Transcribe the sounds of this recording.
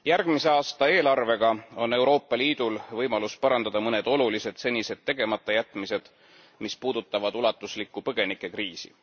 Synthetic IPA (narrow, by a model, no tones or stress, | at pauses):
jærɡ̥mise̞ɑːst̪ɑe̞ːlɑrve̞ɡ̥ɑo̞nːe̞wɾo̞ːpˑːɑliːd̪̥ulvɤjmɑluspɑɾɑnd̪̥ɑd̪ɑmɤne̞d̪̥o̞lulise̞d̪̥se̞nʲːise̞d̪̥̚t̪ːe̞ɡ̥e̞mɑt̪ːˑɑjæt̪ːˑmise̞d̪̥ | mispuːd̪̥ut̪ːˑɑvɑd̪ulɑt̪ːˑuslikːˑupɤɡ̥e̞nikːˑe̞kriːsḭ